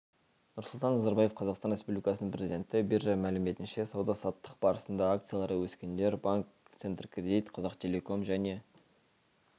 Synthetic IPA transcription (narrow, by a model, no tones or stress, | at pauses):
nʊɾsʊlˠt̪ɑnːɑzɑɾbɑje̞fqʰɑzɑqst̪ɑnɾʲe̞spublʲikɑsəəɴprʲezid̪ʲe̞nt̪ɪberʒɑmælɪme̞t̪ɪnʃe̞sɑwd̪ɑsɑt̪ːə̥q̚bɑɾəsənd̪ɑːk̚t̪sɨjalˠɑɾəwɵskʲend̪e̞ɾbaŋk̚t̪sent̪rkrʲed̪ijt̪qʰɑzɑqt̪ʰʲe̞lʲe̞ko̞mʒæne̞